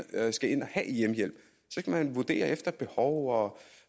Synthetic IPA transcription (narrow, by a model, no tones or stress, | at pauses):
sɡ̥æe̝nɒhæʔijemjel̰b̥ | sɒ̽sɡ̥æmænʋud̥e̝̰ːɐʔefd̥ɐb̥e̝hɒʊɒ